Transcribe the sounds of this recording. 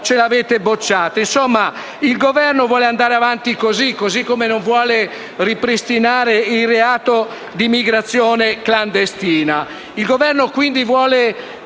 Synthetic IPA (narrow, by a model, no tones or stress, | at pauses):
t͡ʃelaveːt̪ebot͡ʃːaːt̪oinsomːa | ilɡovɛrnovwɔːleand̪aːɾeavant̪ikozikːozikːomenoɱvwɔːle | ripɾist̪inaːɾeilreaːt̪o | d̪imːiɡɾat̪sːjɔːnekland̪est̪iːna | ilɡovɛrnokwind̪ivwɔːle